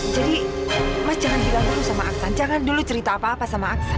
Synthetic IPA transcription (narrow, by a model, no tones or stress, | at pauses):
d͡ʒadimad͡ʒaɦandidakulusamaaksand͡ʒaŋandulut͡ʃəɾit̪aːpaːpasamaːksa